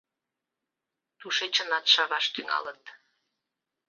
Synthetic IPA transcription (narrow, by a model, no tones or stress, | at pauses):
t̪uʃet͡ɕənɑt̪ʃɑɣɑʃt̪yŋɑ̰lət̪